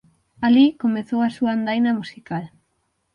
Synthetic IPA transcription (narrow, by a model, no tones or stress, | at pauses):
alikomeθowasuaand̪ajnɐmusikal